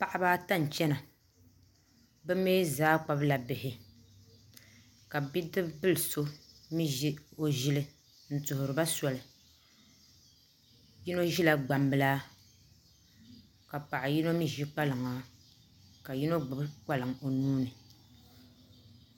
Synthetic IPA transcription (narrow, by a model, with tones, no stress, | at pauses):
pa˦ʔa˦baː˦ta˦˨n˨t͡ʃɛ˦na˨ | bɛ˦meː˦zaː˦k͡pa˦bla˨bɪ˨hɪ˨ | ka˨bi˦dɨ˦bbɨ˦lɨ˨so˦mi˦ʒi˦o˨ʒɪ˦lɨ˦ | n̩˨tʊ˨hʊ˨ɾɨ˨ba˦sɔ˨lɨ˨ | ji˦no˦ʒi˦la˨ɡ͡ba˨mbɨ˦laː˦ | ka˨pa˨ʔa˨ji˦no˦mi˦ʒi˦k͡pa˦lɨ˨ŋa˨ | ka˨ji˦no˦ɡ͡bʊ˨bk͡pa˦lɨ˨ŋo˨nuː˦nɨ˨